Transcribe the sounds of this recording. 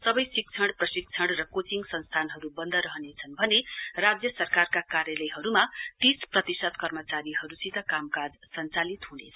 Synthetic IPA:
sʌbʌjsik̚t͡sʰʌɽprʌsik̚t͡sʰʌɽrʌkot͡siŋɡsʌnst̪ʰanɦʌɾubʌnd̪ʱʌɾʌɦʌnet͡sʰʌnbʱʌnerad͡zjʌsʌrkarkakaɾjʌlʌjɦʌɾumat̪isprʌt̪isʌt̪kʌrmʌt͡saɾiɦʌɾusit̪ʌkamkad͡zsʌnt͡salit̪ɦunet͡sʰ

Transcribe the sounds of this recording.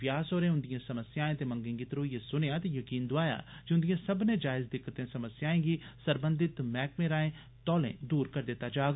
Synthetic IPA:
jaːsoːɾẽːʊ̃nd̪ijãːsəməsɪjaːẽːt̪eːmə̃ŋɡẽːɡiːt̪əɾoːiːesʊneaːt̪ejəkiːnd̪ʊaːja̰ːd͡ʒiʊnd̪ijãːsəbned͡ʒaːɪzd̪ɪkʰːət̪ẽsəməsjaːẽːɡiːsəɾbə̃nd̪ɪt̪mɛːkmẽːɾaːẽː | t̪ɔːlḛ̃ːd̪uːɾkəɾd̪ɪt̪ːaːd͡ʒaːɡ

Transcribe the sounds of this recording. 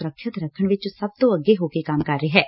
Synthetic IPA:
ɾəkʰːjət̪ɾɐkʰəɽ̃ʋɪt͡ʃsɐb̚t̪oɐɡleɦoːkekaːmkɐɾːeɦɛː

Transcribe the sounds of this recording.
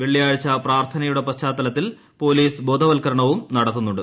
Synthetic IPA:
ʋe̞ɭːijaːɻɐt͡ɕːɐpraːrt̪ʰɐnɐjuɽe̞pɐɕt͡ɕːaːt̪ːɐlɐt̪ːil | po̞ːliːsbo̞ːd̪ʱɐʋɐlkɐɾɐɳɐʋumnɐɽɐt̪ːunːuɳɖɨ

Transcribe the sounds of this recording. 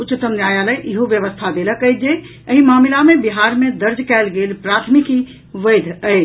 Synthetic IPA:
utːt͡ʃːɪt̪əmnjajaləjʔiɦoʋjəʋəst̪ʰad̪eləkəjt̪̚d͡ʒe | əɦimamilamebiɦaɾmed̪əɾd͡ʒkɛlɡelpɾat̪ʰmiki | ʋəjd̪ʱəjt͡ʃ

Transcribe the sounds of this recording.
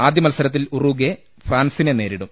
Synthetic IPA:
aːd̪jɐmɐlsɐɾɐt̪ːiluruɡe | fraːnsinene̞ːɾiɽum

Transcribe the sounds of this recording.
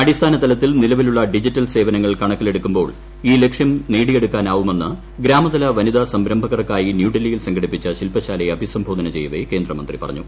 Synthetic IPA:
ɐɽist̪ʰaːnɐt̪ɐlɐt̪ːilnilɐʋiluɭːɐɖid͡ʑitːɐlse̞ːʋɐnɐŋːɐɭkɐɳɐkːile̞ɽukːumbo̞ːɭ | iːle̞kʂjɐmneːɽije̞ɽukːaːnaːʋume̞nːɨ | ɡɾaːmɐd̪ɐlɐʋɐnid̪ɐsɐmbɾɐmbʱɐɣɐrɐkːaːjinjuːɖilijilsɐŋɡʱɐɽipːit͡ɕːɐɕilpɐɕaːlɐjeɐbʱisɐmbʱo̞ːd̪ɐnɐt͡ɕe̞jːuʋeke̞ːnd̪rɐmɐ̰nd̪ripɐ̰rɐ̰ɲːu

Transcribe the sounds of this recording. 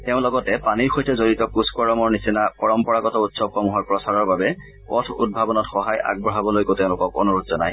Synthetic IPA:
teʊ̃lɔɡɔtɛpaniɹxojtɛzoɹitɔkuskɔɹɔmɔɹnisinapɔɹɔmpɔɹakɔtɔutsɔkɔmuɦɔɹpɹɔsaɹɔɹbabɛ | kɔtʰṵd̚bʱabɔnɔtxɔɦaja̰ɡ̚bɔɦabɔlojkoteʊ̃lʊkɔko̰nuɹutzɔna̰j

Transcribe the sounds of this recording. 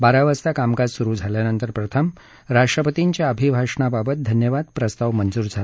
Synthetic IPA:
baɾaʋəst̪akamkad͡zsuɾuːd͡zʱaljanənt̪əɾpɾət̪ʰəm | ɾaʂʈɾəpət̪iɲt͡ɕjaəbʱibʱaʂɳababət̪̚d̪ʱənjəʋad̪̚pɾəst̪aʋmənd͡zuːɾd͡zʱala

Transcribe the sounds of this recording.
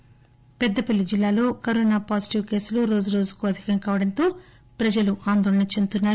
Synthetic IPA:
pɛd̪ːɐpɐlːid͡ʒilːaːlo̞ːkɐɾoːnaːpaːsi̥ʈiʋke̞ːsuluɾo̞ːd͡ʒuɾo̞ːd͡ʒukuɐd̪ʱikɐŋkaːʋɐɽɐnt̪o̞ː | pɾɐd͡ʒɐluʔaːnd̪ɔːɭɐɳɐt͡ʃent̪unːaːɾu

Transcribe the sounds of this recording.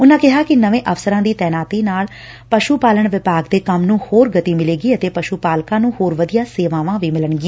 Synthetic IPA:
ʊnãːkɪɦaːkɪnəʋẽːʔəfsəɾãːd̪iːt̪ɛːnaːt̪iːnaːl | pəʃuːpaːləɳʋɪpaːɡd̪eːkəmnũːhoːɾɡət̪iːmɪleːɡiːət̪eːpəʃuːpaːlkãːnũːhoːɾʋəd̪ijãːseːʋãːʋãːʋiːmɪləɳɡɪẽː

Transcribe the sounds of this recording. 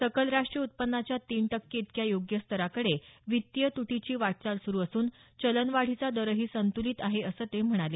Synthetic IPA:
səkəlɾaʂʈɾiəut̪̚pənːat͡ɕjat̪iːɳʈəkːiit̪kjajoɡjəst̪ʰəɾakəɽeʋit̪jət̪uʈit͡ɕiːʋaʈ̚t͡salsuɾuːəsuːnt͡ɕələnʋaɽ̤it͡sad̪əɾəɦiːsənt̪uliːt̪aɦeəsəːt̪em̤əɽ̃ale

